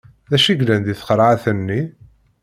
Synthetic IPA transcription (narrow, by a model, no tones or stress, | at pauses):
ðæʃiɡlænd̪iθə̥qəɾˤʕaθənːi